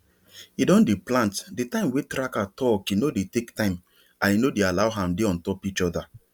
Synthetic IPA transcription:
idɔ̃ndeplãntdetãɪ̃mwetɾakatʰɔkinodetektãɪ̃m | ãninodealaʊɦãmdeɔ̃ntɔpit͡ʃɔda

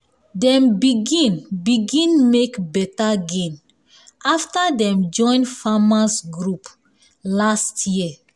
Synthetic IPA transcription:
dɛ̃mbiɡĩnbiɡĩnmekbɛtaɡẽn | ʔaftədɛ̃md͡ʒɔ̃ɪ̃nfamasɡɹup | lastʰjiə

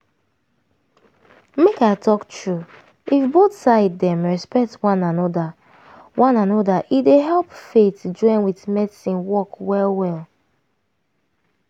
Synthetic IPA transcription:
mekaɪtʰɔktɹu | ifboθsaɪddɛ̃mɹɛspɛk̚twãnanɔda | wãnanɔdaʔideɦɛlˠpfetd͡ʒɔ̃ɪ̃nwitmɛdsĩnwɔkwɛlwɛl

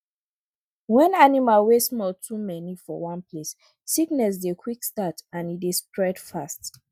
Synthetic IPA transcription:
wɛ̃nanimalwesmɔltʰumɛnifɔwɔ̃nples | siknɛs̬dekʰwikstatãnidestɹɛdfast

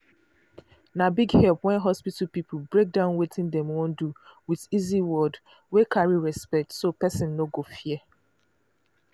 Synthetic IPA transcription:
nabiɡhɛlpwɛ̃nɦɔspitapip̩ʰbɹek̚dãʊnwitɪ̃ndɛ̃mwõnduwiðiziwɔd | wekʰaɹiɹɛspɛk̚tsopɛsɪ̃nːoɡofiɛ

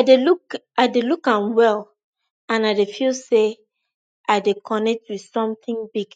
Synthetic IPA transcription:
adeluk | aɪdelukãnwɛl | ãnaɪdefilse | aɪdekʰɔnɛk̚twið̥sɔ̃mθĩŋbiɡ

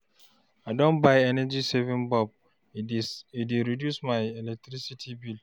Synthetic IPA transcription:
aɪdɔ̃nbajɛnɛd͡ʒisɛvĩnbɔb̚ | ideɹidjusmajɛlɛk̚tɾisitʰibil

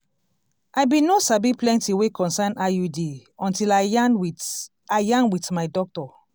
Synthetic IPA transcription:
ajbĩnosabiplɛ̃ntiwekʰɔ̃nsanajudiɔ̃ntila | ajãnwitmajdɔk̚tɔ

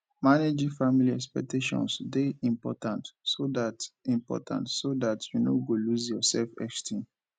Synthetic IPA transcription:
maned͡ʒĩfamiliɛkspɛ̰k̚teʃɔ̰̃nsdeĩmpɔ̰tãntsodatĩmpɔ̰tʰã̰ntsodatʰjuno̰ɡoluzjɔsɛlfɛ̰kstʰĩn

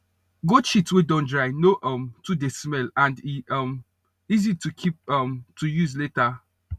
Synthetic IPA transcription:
ɡoʃitswedɔ̃ndɹaɪnoʔɔmtudesmɛlãndiʌm | izitukʰip̚ʌmtʰujuzleta

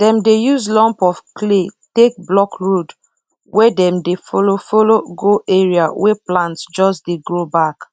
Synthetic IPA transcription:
d̥ɛ̃mdejuzlɔ̃mpɔfkletek̚blɔkɹod | wɛdɛ̃mdefolofoloɡoʔeɹiawɛplãntsd͡ʒɔsdeɡɹobak

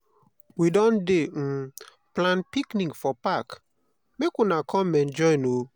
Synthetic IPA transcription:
widɔ̃nde | plãnpiknĩŋɡfɔpak | mekunakʰɔ̃mɛ̃nd͡ʒɔjno

